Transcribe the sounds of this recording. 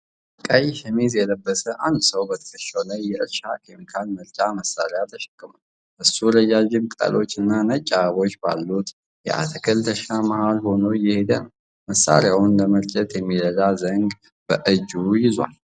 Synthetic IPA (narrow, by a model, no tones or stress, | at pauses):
kʼajʃɛmezjɛləbːəsəʔand̪səwbət̪ʰə̥kəʃːəwlajːɛʔɨɾʃakʰemikʰalmɨɾt͡ʃʼaməsːaɾejat̪ʰəʃɛ̥kʼːɨməl | ʔɨsːuɾəjad͡ʒɪmk̪ʼə̰lo̞t͡ʃːɨnːanət͡ʃʼːaβo̞t͡ʃːba̰lːut̪ | jɛ̰ʔa̰t̪ʰəkʰəlt̪ʰəʃamahalho̞nojɪhe̞d̪ənəw | məsːa̰ɾejawʊnləməɾt͡ʃʼɛt̪jɛmːiɾəd̪azəŋɡ | b̥əʔɨd͡ʒujɪzwa̰l